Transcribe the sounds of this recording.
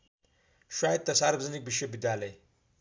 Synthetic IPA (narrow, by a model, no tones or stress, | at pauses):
ʃaːjd̪̚t̪ɐsaɾbzinik̚biʃebid̪aːle